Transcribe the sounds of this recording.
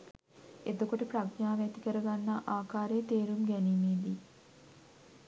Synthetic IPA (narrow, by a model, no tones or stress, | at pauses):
et̪okuʈəpraɡɲaːʋeæt̪ikəɾəɡanːaʔaːkaːɾeːt̪eːɾumɡæniːmeːd̪i